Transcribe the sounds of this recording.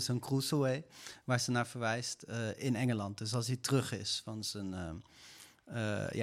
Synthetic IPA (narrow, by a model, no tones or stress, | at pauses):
sənkrusowejʋaːɹzənaːɹvəɹʋɛjstəɪnɛŋəlɑnt̚dɵs̬ɑlˠs̬ditərɵχɪ̰sfɑnzənə | ə̰ja